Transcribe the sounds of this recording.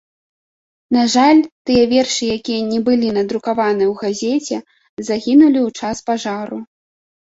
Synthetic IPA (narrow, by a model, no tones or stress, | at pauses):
naʐalʲt̪ɨjɛvʲɛrʂɨjakʲijɐnʲɛbɨlʲinɐd̪ɾukavanɨwɣazʲɛt͡sʲɛ | zaɣʲinulʲiwt͡ʂaspaʐaɾu